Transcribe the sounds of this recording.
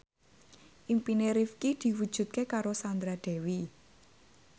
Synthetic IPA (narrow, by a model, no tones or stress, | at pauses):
ʔimpineɾifkid̪̥i̤wud̥ʒ̥ṳt̪̚kekaɾosand̪ɾad̪̥ɛ̤wi